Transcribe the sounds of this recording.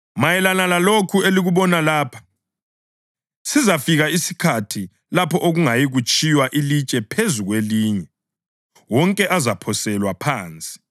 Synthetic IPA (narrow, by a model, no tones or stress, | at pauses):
majɛlanalalokʰueliɣuβɔnalaːpʰḁ | sizafiɣaisi̥kʰatʰi | lapʰɔʔoɣuŋajiɣut͡ʃʼiwaʔilit͡ʃʼɛpʰezuɣweliːɲɛ | wɔŋkʼɛʔazapʰɔsɛlwapʰaːnt͡sʼi̥